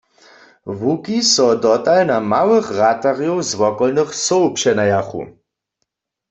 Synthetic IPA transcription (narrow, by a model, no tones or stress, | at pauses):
vukisɔd̪ɔtalnamawɨχɣat̪aʁjɔwzwɔkɔlnɨχsɔwpʃɛnajaχṵ